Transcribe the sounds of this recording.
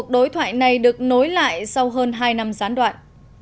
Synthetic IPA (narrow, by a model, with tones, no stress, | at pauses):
ək̚ɗo˨˦jt̪ʰwa̰ː˧˨jna˨˩jɗɨ˨˩ək̚no˨˦jla̰ː˧˨jsa˧wɦəː˧nɦaː˧jna˧mzaː˨˦nɗwa̰ː˧˨nʔ